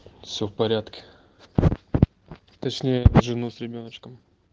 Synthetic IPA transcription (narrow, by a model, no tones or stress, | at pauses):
fsʲɵfpɐɾʲat̪kʲɪ̥ | t̪ɐt͡ɕnʲejəʐɨnusʲɾʲɪbʲo̞nət͡ɕkəm